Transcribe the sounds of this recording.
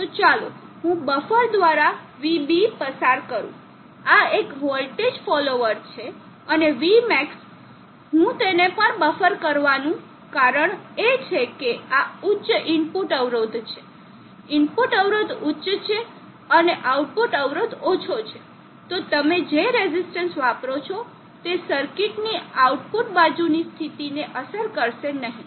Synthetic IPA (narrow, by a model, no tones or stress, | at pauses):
t̪ot͡ʃalo̰ɦũbəfəɾd̪ʋaɾa | ʋibipəsaɾkəɾṵ̃ | aekɦɔlʈed͡ʒfɔloʋəɾt͡ʃʰe | əneʋimɛks | ɦũt̪enepəɳbəfəɾkəɾʋanũ | kaɾəɳet͡ʃʰekeaʊtːʃʔɪmpuʈəʋɾod̪ʱt͡ʃʰe̥ | ɪmpuʈəʋɾod̪ʊtʃt͡ʃʰe | əneʔauʈ̚puʈəʋɾod̪ot͡ʃʰot͡ʃʰe | t̪ot̪əmed͡ʒeɾezisʈənsʋapɾot͡ʃʰo | t̪esəɾkiʈniauʈpuʈbad͡ʒunist̪ʰit̪ineʔəsəɾkəɾʃenəɦĩ